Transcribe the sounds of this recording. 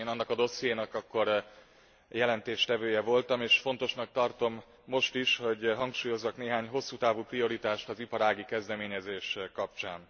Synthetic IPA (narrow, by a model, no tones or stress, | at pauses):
eːnɒnːɒkɒd̪o̞sijeːnɒkɒkːo̞r | jɛlɛnt̪eːʃt̪ɛvøːjɛvo̞lt̪ɒmeːʃfo̞nt̪o̞ʃnɒk̚t̪ɒrt̪o̞mː | o̞ʃt̪iʃho̞ɟɦɒŋkʃuːjo̞zːɒkneːɦaːɲɦo̞sːuːt̪aːvuːprio̞ɾit̪aːʃt̪ɒzipɒɾaːɡikɛzd̪ɛmeːɲɛzeːʃkɒpt͡ʃaːn